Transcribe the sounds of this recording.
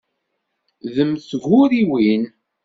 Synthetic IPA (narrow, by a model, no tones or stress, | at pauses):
ðəmθɣʊɾiwin